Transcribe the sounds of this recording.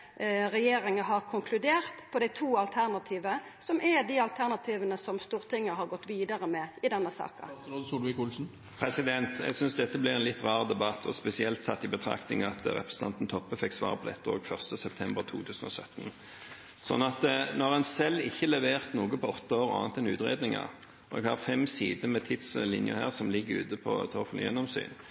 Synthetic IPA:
ɾɛjeːɾɪŋəɦɑɾkʰʊŋkʰlʉd̪eːɾt̪pʰɔd̪æɪt̪ʰuːɑlt̪ʰæʁnɑt̪ʰiːʋə | sɔmʔɛd̪iɑlt̪ʰæʁnɑt̪ʰiːʋənəsɔmst̪uːɾt̪ʰɪŋːəɦɑɾɡɔt̪ːʋiːd̪ɑɾəmɛɪd̪ɛnːəsɑ̰ːkɑsulʋɪkʊlsn̩ | pʰɾɛsɪd̪ɛnt̪ʰɛ̰ɡsʏnsd̪ɛt̪ːəblɪɾɛnlɪt̪ːʁɑːʁd̪ɛbɑt̪ːʰɔ̰spɛsɪɛlt̪sɑ̰t̪ːɪbət̪ʰɾɑ̰knɪ̰ŋɑt̪ɾɛ̰pɾʁəsə̥n̩ʰɑnt̪n̩t̪ʰɔpːəfɛksʋɑ̰ːʁəpʰɔd̪ɛ̰t̪ːəo̰ːɡfœʁst̪əsɛp̚t̪ʰɛmbəʁt̪ʰṵːt̪ʰʉːsn̩ɔ̰sœ̰t̪ːn | sɔ̰nːɑt̪nɔʁɛnsɛlːɪçːəlɛʋeːʁt̪nuːɡəpʰɔɔt̪ːəoːʁɑ̰ːɑnt̪ɛnʉ̰ːt̪ʁḛːd̪nɪŋɑ̰ | ɔɛ̰ɡhɑʁfɛmsiːd̪əmɛt̪ʰɪt̪slɪnjə̰hæ̰ːʁsɔmlɪɡːəɾʉ̰ːt̪əpʰɔ̰t̪ʰɔfl̰jɛ̰nːɔmsy̰ːn

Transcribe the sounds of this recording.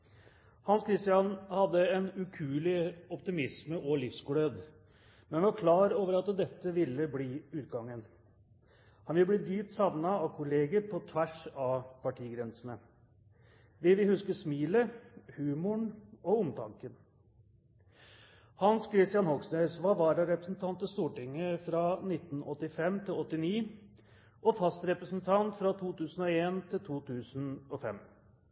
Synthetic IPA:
hɑnskʰɾɪst̪ɪɑnhɑd̪ːəɛnʉkʰʉːlɪɔpt̪ɪmɪsməʔɔlɪfsɡʊɽød̪ | mɛnʋʋɑɾkʰlɑːɾoːʋəɾɑt̪d̪ɛt̪ːəʋɪlːəbliːʉːt̪ɡɑŋːən | hɑnʋɪlːbliːd̪yːp̚t̪sɑʋnɑɑʋkʰʊleːɡəɾpʰɔt̪ʰʋæʂɑpɑʈʰiːɡɾɛnsn̩ə | ʋɪlʋɪhʉskəsmiːləhʉːmʊɳɔʊmt̪ʰɑŋkən | hɑnskʰɾɪst̪jɑnhɔɡsnœsʋɑːʋɑːɾəɾɛpɾəsn̩t̪ʰɑnt̪əst̪uːʈɪŋːəfɾɑːnɪt̪ːnʔɔt̪ːɪfɛmːt̪ʰɪlɔt̪ːɪniː | ʔɔfɑst̪ɾɛpɾəsnt̪ʰɑnt̪fɾɑt̪ʰuːt̪ʉːsən̩ɔeːnt̪ʰɪlt̪ʰuːt̪ʰʉːsnɔfɛ̰m

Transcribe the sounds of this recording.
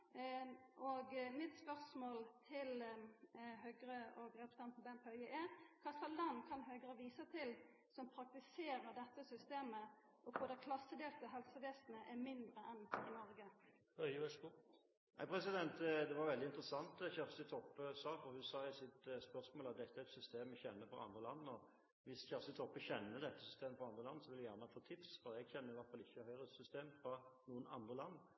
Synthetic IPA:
ʔɔɡmɪt̪spœʁsmoːlt̪ʰɪl | ɦœːɡɾəʔɔɡɾɛpə̥st̪ɑnpʰɔbɛnpʰœʏəʔɛɾkʰɑskɑlɑnkʰɑnɦøːɡɾəʋiːsət̪ʰɪl | sɔmpʰɾɑk̚t̪ɪseːɾəʁd̪ɛt̪ːəsʏst̪eːmə | ʔɔfoːd̪ɛkʰlɑsːəd̪eːlt̪əɦɛlsəʋeːsnəʔɛmɪnd̪ɾəɛnɪnɔɾɡə | hœɪʋɛsku | næɪpʰɾɛsɪd̪ɛnt̪d̪ɛʋɑɾʋɛld̪ɪnt̪ɾəsɑnt̪çæʁfsɪt̪ʰɔpːəsɑːfɔʁhʉsɑːæɪsɪt̪spœʁsmoːlɑt̪̚d̪ɛt̪ːəæɾɛt̪sʏst̪eːmɛçɛnːəfɔɾɑ̰nd̪ʁəlɑnːɔ | ʋɪsçæʁfsɪt̪ʰɔpːəçɛnːəd̪ɛt̪ːə̥sʏst̪eːməfɔʁɑnd̪ʁəlɑnːəsɔʋɪljæjæːʁnəɑfoːt̪ʰɪpsfɔɾɛɡçɛnːəɪʋæʁt̪fɑlɪçːəhœʏʁəsʏst̪eːmfɾɑnuːənɑnd̪ʁəlɑnː

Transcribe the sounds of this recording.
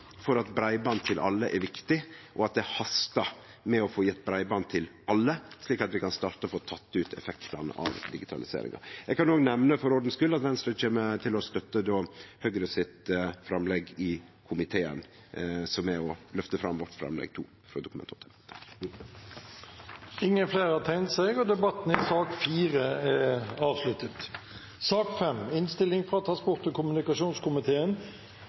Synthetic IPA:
fɔɾɑt̪bɾæɪbɑnt̪ʰɪlʔɑ̰lːəʔɛɾʋɪkt̪ɪʔɔɑt̪̚d̪ɛhɑst̪ɑ | mɛɔfoːjɛt̪ːbɾæɪbɑnt̪ʰɪlʔɑlːəʂɭiːkɑt̪ʋɪkɑnst̪ɑːɾt̪əɔfoːt̪ʰɑt̪ːʉːt̪ʰɛ̰fɛkt̪ɑnə̰ʔɑ̰ʋd̪ɪɡɪt̪ʰɑ̰lɪsḛːɾɪ̰ŋʔɑ̰jɛɡkɑnoːɡnɛʋnəfɔɾɔɖn̩skʉlːɑt̪ʋɛnst̪ɾət͡ʃʰeːmət̪ʰɪlɔst̪œt̪ːəd̪oːhøɡɾəsɪt̪fɾɑmlɛɡɪkʰʊmɪt̪ʰeːə̰n | sɔmɛɔlœft̪əfɾɑ̰mʋɔʈfɾɑ̰mlɛ̰ɡ̚t̪ʰṵː | fɾɔ̰d̪ʊkmɛ̰nt̪ʰɔt̪ʰːə | ɪŋːənfleːɾɑt̪ʰæɪnt̪sɛɪɡɔd̪ɛbɑt̪ːn̩ɪsɑːkfiːɾəɛɑːʋslʉt̪ət̪ | sɑːkfɛmɪnst̪ɪlːɪŋfɾɑt̪ʰɾɑnsbʊɾt̪ɔkʊmʉnɪkɑʂuːnskʰʊmɪt̪ʰeːən

